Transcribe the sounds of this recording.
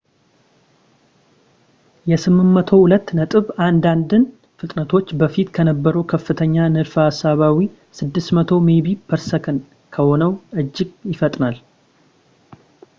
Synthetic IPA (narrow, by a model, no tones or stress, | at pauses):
jɛsɨmːɨmːət̪ʰo̞hulət̪ːnət̪ʼɨβand̪and̪ɨn | fɨt̪ʼnət̪ʰot͡ʃːbəfit̪kʰənəbːəɾəwkʰəfːɨt̪ʰəɲːanɨɾfasːaβawi | sɨd̪ːɨsmət̪ʰo̞meβibʰəɾsəkʰən | kʰəho̞nəwʔɨd͡ʒːɪɡjɪfət̪ʼnal